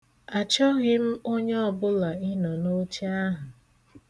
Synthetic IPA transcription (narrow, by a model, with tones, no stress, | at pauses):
a˨t͡ʃɔ˦ɣɪ˦m̩˦o˦ɲe˦ɔ˦bʊ˦la˨ɪ˦nɔ˨no˦t͡ʃi˦a˦ɦʊ˨